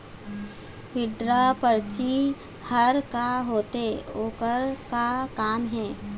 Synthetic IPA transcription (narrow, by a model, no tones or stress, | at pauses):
ɦɪɖɾapəɾt͡ʃi | həɾkaɦoːt̪eoːkəɾkakaːmɦɛ̃ː